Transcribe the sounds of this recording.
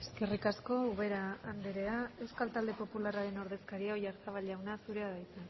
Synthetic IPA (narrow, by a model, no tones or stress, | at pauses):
e̞̥ske̞rikasko̞uβe̞ɾaːnd̪eɾe̞ae̞wskalt̪ald̪e̞po̞pularaɾe̞no̞ɾðe̞skaɾiaoʝaɾt͡saβ̞alʝawnasuɾe̞aðajt̪t͡sen